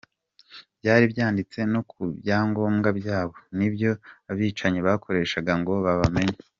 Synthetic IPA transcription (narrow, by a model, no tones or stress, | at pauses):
b̥jaːɾibjaːndit͡se̞no̞kʰuβjaːŋɡo̞ːmɡabjaːβonibjo̞aβiːt͡ʃaɲiβakʰo̞ɾe̞ːʃaɡaŋɡo̞βaβame̞ɲa